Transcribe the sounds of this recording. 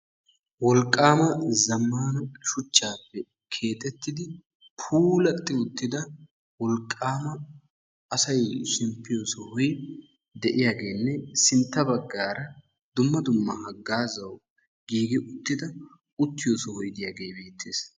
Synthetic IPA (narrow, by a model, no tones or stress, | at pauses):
wɔlkʼːaːmɐzɐmːaːnɐʃʊt͡ʃːaːpːɛ | kʰe̞ːt̪ʼɛt̪ːɪd̪ɪ | pʰuːlɐt̪ʼːɪʊt̪ːɪd̪ɐ | wɔlkʼːaːmɐ | ɐsɐjʃɪmpːɪjosɔhɔj | d̪ɛʔɪjaːɡe̞ːnːɛsɪnt̪ːɐbɐɡːaːɾɐ | d̪ʊmːɐd̪ʊmːɐhɐɡːaːzɐw | ɡiːɡɪʔʊt̪ːɪd̪ɐ | ʊt̪ːɪjosɔhɔjd̪ɪjaːɡe̞ːbe̞ːt̪ːeːs